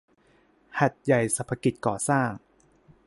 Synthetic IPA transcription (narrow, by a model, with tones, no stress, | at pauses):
ha˨˩t̪̚ja˨˩jsa˧˩pʰa˧˥ki˨˩t̪̚kɔː˨˩saː˥˩ŋ